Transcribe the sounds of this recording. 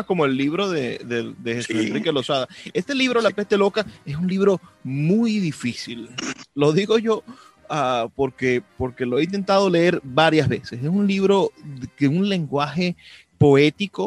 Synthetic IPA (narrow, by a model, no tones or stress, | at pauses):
ko̞moelːiβɾo̞ðeðed̪exesusenrɾikelo̞saðaest̪e̞liβ̞ɾolapent̪e̞lo̞kaes̬unliβ̞ɾo̞mujðifisilːo̞ðiɣo̞ʝo̞ | apo̞ɾkepo̞ɾke̞loeint̪̬e̞nt̪aðo̞le̞eɾβaɾjazβe̞seses̬unliβɾo̞ðkeunle̞ŋɡwaxe̞ | po̞e̞t̪iko